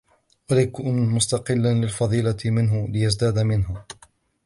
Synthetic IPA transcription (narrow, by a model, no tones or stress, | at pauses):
walaːkʊːnmʊst̪ɑqɪlːanlɪlfɑðˤiːlamɪnɦʊlɪjazd̪aːd̪amɪnɦa